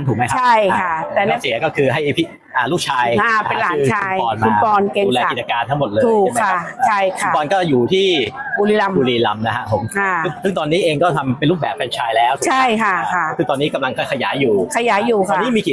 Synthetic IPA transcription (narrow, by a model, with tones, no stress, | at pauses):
a˧˥nt̪ʰuː˨˩k̚m˦jkat͡ɕʰa˥˩jkʰa˥˩t̪ɛː˨˩lɛ˦˥si˨˩˦kɔː˥˩kʰɯː˧ɦa˥˩jpʰi˦˥ | ʔaː˨˩lu˥˩k̚t͡ɕʰaː˧jaː˧˩e˧nlaː˨˦ɯː˧aː˧jɔː˧nʰu˧pɔː˧nke˧lɛː˧i˨˩t͡ɕa˧kaː˧nt̪ʰa˦˥ŋmo˨˩t̪̚lɤː˧juː˨˩˧kʰa˧˩t͡ɕʰa˥˩jkʰa˧˩pɔː˧nkɔː˥˩juː˨˩t̪ʰiː˥˩buː˧liː˧la˧muː˧liː˧˩la˧mna˦kʰa˦˥ʔpʰo˩˦ma˧˩ɯ˥˩sɯ˥˩ŋt̪ɔː˧nːiː˦˥ʔeː˧ŋkɔː˥˩t̪ʰa˧mpe˧nɾuː˥˩bɛː˨˩p̚fɛː˧nt͡ɕʰaː˧jlɛː˦˥wt̪ʰuː˨t͡ɕʰa˥˦˥jkʰa˥˩kʰa˥˩sʰɯː˥˧˩t̪ɔː˧nːiː˦˥ka˧mla˧ŋkʰa˧˩jkʰa˧jaː˨˩˦jːuː˨˩kʰa˧jaː˨˩˦jːuː˨˩kʰaɔː˧niː˦˥miː˧ki˨˩